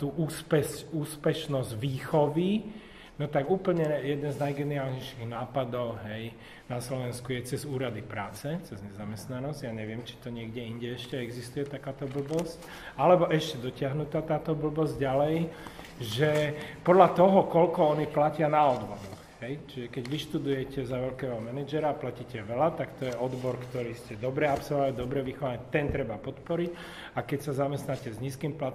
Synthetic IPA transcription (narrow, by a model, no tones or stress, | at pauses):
t̪uːʔuːspɛscuːspɛʃnɔzɟʋiːxɔʋi | nɔt̪aɡuːpl̩ɲɛjɛd̪nɛnznajɡɛniaːlɲɛjʃiɣnaːpad̪ɔʊɦɛj | naslɔʋɛnskujɛt͡sɛzuːɾad̪ipɾaːt͡sɛt͡sɛzɲɛzamɛst̪nanɔzɟjaːɲɛʋɪɛmt͡ʃi̥t̪ɔɲɪɛɡɟɛiɲɟɛɛʃcɛɛɡzist̪ujɛt̪akaːt̪ɔbl̩bɔsc | alɛbɔʔɛʃcɛd̪ɔcɪaɦnut̪aːt̪aːt̪ɔbl̩bɔzɟɟalɛj | ʒɛpɔd̪lat̪ɔɦɔkɔlkɔɔniplacɪanaɔd̪bɔɾɔxɦɛjt͡ʃiʒɛkɛɟʋiʃt̪ud̪ujɛcɛzaʋɛlkɛːɦɔmɛnɛd͡ʒɛɾaːplaciːcɛʋɛlat̪akt̪ɔjɛɔd̪bɔɾkt̪ɔɾiːscɛd̪ɔbɾɛapsɔlad̪ɔbɾɛʋixɔʋaɲɛt̪ɛnt̪ɾɛbapɔt̪pɔɾic | akɛcsazamɛst̪nacɛzɲiːskiːmplat̪